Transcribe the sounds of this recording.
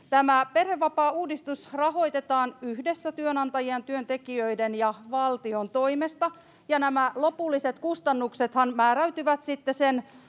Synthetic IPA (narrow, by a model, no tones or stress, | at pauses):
t̪æmæpe̞rheʋːɑpɑːuːdist̪usrɑɦo̞jt̪e̞t̪ɑːnyhdesːæt̪yønɑnt̪ɑjiɑnt̪yønt̪e̞kiøide̞njɑʋɑlt̪io̞nt̪o̞imest̪ɑ | jɑnæmælo̞pulːise̞t̪kust̪ɑnːukse̞t̪hɑnmæːɾæyt̪yʋæt̪sit̪ːesen